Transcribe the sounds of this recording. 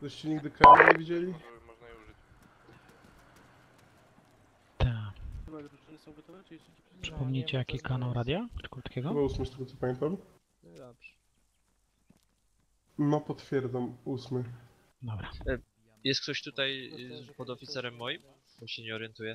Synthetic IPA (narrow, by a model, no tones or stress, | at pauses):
ɛɕt͡ɕɛɲiɡd̪ɘkaɾɲɛvʲid͡ʑelʲiɔau | t̪ʰɛ | nsɔ̃w̃vt̪ɔa | pʂɘ̥pɔmɲet͡ɕɛjakʲikanawɾad̪ʲjaʈ͡ʂkɾut̪kʲɛɡɔbɔusmɘst̪ɛɡɔt̪sɔpamʲɛnt̪am | zapʂ | nɔpɔt̪fʲjɛɾd̪zamusmɘ | d̪ɔbɾa | jɛst̪k̚t̪ɔɕt̪ut̪ajpɔd̪ɔfʲit̪sɛɾɛmːɔjim | t̪ɔɕɛɲɛɔɾjɛnt̪ujɛ